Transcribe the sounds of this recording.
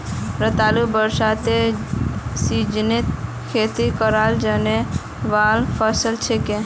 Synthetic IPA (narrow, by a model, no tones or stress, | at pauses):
ɾət̪alubəɾsat̪e | sid͡ʒnit̪ | kʰet̪ikəɾald͡ʒane | ʋalpʰəsəlt͡ʃʰeke